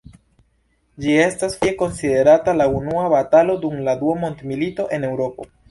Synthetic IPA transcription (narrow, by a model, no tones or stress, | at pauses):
d͡ʒie̞stasfieko̞nside̞ɾatalaunuabatalo̞dumladuamo̞ntmilito̞ʔe̞ne̞wɾo̞po̞̰